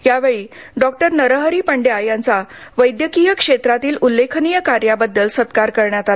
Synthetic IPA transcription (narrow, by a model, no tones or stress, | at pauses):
jaʋeɭiː | ɖɔk̚ʈəɾnəɾəɦɾiːpəɳɖjajant͡saʋəjd̪jəkijəkʂet̪ɾat̪iːlulːekʰənijəkaɾjabəd̪ːəlsət̪kaɾkəɾɳjat̪al